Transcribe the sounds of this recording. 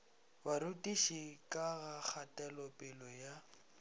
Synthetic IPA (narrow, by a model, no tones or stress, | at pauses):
baɾutʼiʃikʼaɣak͡xʰatʼɛlɔpʼɛlɔja